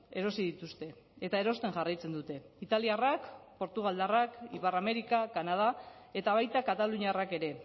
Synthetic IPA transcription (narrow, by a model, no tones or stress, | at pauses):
e̞ɾo̞siðit̪ust̪e̞ | et̪aeɾo̞st̪e̞ŋʝarajt͡se̞nd̪ut̪e̞ | it̪aliarakpo̞ɾt̪uɣ̞ald̪arakiparame̞ɾikakanað̞a | e̞t̪aβ̞ajt̪akat̪aluɲiarake̞ɾe̞